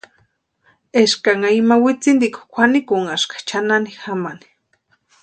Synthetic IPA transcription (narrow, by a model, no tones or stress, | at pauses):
eʃkaŋaimawɪt͡sind̪iko̥kʷʰanikuŋaʃkḁt͡ʃananixamani̥